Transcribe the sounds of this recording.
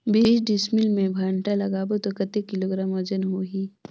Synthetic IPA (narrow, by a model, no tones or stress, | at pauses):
biːsɖɪsmilmẽbʱaːɳʈalɐɡaːbot̪okɐt̪ːekiloːɡɾaːmɔd͡ʒənɦoːɦiː